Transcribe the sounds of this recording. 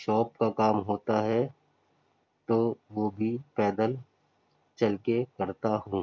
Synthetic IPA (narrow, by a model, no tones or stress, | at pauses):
ʃɔːpkakaːmɦoːt̪aɦɛ | t̪oːʋoːbʱipɛːd̪əl | t͡ʃɐlkekɐɾt̪aɦũː